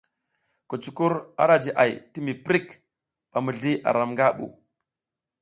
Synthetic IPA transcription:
ku˨t͡ʃu˨ku˦ɾa̰˦ɗa˦˨d͡ʒi˨ʔa̰˨jti˦mi˨pɾi˦k | ɓ̥a˨mu˨ɮdi˦ʔa̰˨ɾa˨mŋɡa˦ɓṵ˨

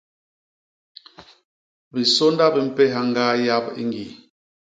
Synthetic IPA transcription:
bi˨so˦nda˦bi˨m̩˨pɛ˦ɦa˦ŋ˦ɡa˦ja˦bḭ˦ŋɡi˨

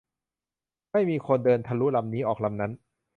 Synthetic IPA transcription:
ma˥˩jmiː˧kʰo˧ndɤː˧nt̪ʰa˧lu˦˥la˧mniː˦˥ʔɔː˨˩k̚la˧mna˦˥n

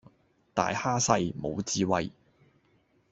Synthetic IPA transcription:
t̪a̰ː˨jhaː˥sɐ˧jmo̰˨˧wt͡siː˧wɐ˧j

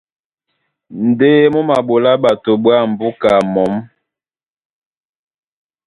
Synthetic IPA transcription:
n̩˨deː˦mo˦ma˨bo˨la˦ɓa˨to˨bwa˦˨m̩˨bu˦ka˨mɔ˨˦m

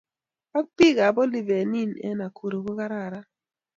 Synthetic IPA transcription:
a˦k̚pi˦˨ɡa˨bɔ˦li˨ve˨ni˦˨nɛ̰˦na˨kʰu˨ɾo˨ko˦ka˦ɾa˦˨ɾa˦

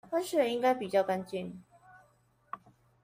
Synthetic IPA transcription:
fa˥nʂɻ̩˥˩i˥ŋka˥ɪpi˨˩t͡ɕjɑ˥˩ʊka˥nt͡ɕi˥˩ŋ

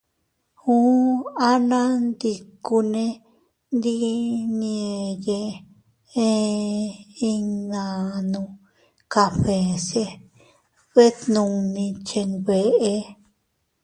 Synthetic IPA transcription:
hu˦a˦nã˦nd̪i˧ku˧nẽ˧ | nd̪i˦n˧e˧je˧ | e˦˧ | i˧nã˨˧nũ˧ | ka˧ɸe˨se˧ | βe˦t̪nũ˧nĩ˧t͡ʃe˧ŋβe˧ʔe˧

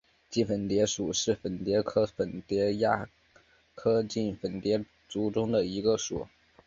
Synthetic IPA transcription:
t͡ɕi˥˩fə˨˩nt̪jɛ˧˥ʂu˨˩ʂɻ̩˥˩fə˨˩nt̪jɛ˧˥kʰɤ˥fə˨˩nt̪jɛ˧˥ja˥˩ | kʰɤ˥t͡ɕi˥˩nfə˨˩nt̪jɛ˧˥ | t͡su˧˥ʈ͡ʂʊ˥ŋd̪ə˨i˧˥ɡə˧ʂṵ˨˩˦

